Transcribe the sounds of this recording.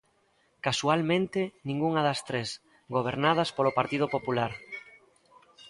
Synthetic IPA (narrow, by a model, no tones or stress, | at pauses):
kasualmẽnt̪ɪnĩŋɡuŋaðɐst̪ɾes | ɡoβ̞eɾnað̞ɐspolopaɾt̪iðʊpopulaɾ